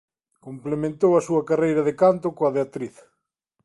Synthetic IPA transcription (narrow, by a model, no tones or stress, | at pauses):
komplemẽnt̪owɐsuɐkarejɾɐðekant̪okoɐðeat̪ɾiθ